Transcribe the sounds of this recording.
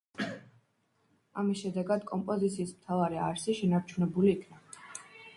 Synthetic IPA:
amisʃɛd̪ɛɡad̪kʼɔmpʼɔzit̪sʰiːsmt̪ʰavaɾiaɾsiʃɛnaɾt͡ʃʰunɛbuliːkʰna

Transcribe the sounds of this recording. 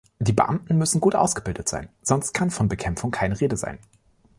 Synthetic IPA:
d̥iːbə̰ʔa̰mtn̩mʏsn̩ɡuːtʔa̰ʊsɡ̥əbɪldətz̥a̰ɪnz̥ɔnst̚kʰanfɔnbəkʰɛmp͡fʊŋkʰaɪnəʁeːdəza̰ɪn

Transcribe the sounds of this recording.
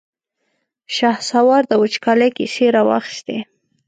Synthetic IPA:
ʃahsawɑɾd̪əwʊt͡ʃkɑlekeseɾawa̰xʃt̪e

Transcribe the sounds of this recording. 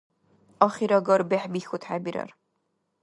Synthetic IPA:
ɔχiɾɔɡɔɾbɛħmixut̪ʰħabiɾɔ̰ɾ

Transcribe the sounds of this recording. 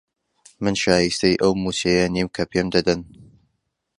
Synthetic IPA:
mɨnʃaːjist̪ɐjʔɐwmuːt͡ʃejanimkʰɐpʰemd̪ɐd̪ɐn

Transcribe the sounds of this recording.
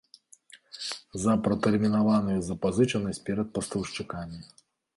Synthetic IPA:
zɐpɾɐt̪ɛrmʲinavanɨjuzɐpazɨt͡ʂɐnɐsʲpʲɛɾɐt̪̚pɐst̪ɐwʂt͡ʂɨkamʲi

